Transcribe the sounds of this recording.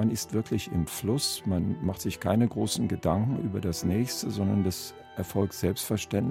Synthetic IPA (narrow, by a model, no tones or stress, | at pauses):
anɪstv̥ɪɐklɪçɪmflʊsmanmaχtz̥ɪçkʰaɪnəɡʁoːsn̩ɡədaŋkŋ̩ʔyːbɐdasnɛːçstəzɔndɐndas | ʔɛɐfɔlk̚tz̥ɛlpstfɛɐʃtɛnt